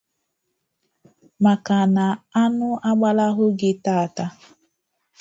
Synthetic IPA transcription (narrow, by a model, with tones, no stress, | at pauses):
ma˨ka˨na˨a˦nʊ˦ʔa˦ɡ͡ba˦la˦ɦʊ˦ɡɪ˦ta˦˨a˨ta˦